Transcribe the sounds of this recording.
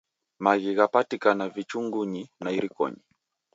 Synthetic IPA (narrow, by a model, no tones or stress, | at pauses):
maɣiɣapatikanavit͡ʃuŋɡuɲinaiɾikɔ̰ɲi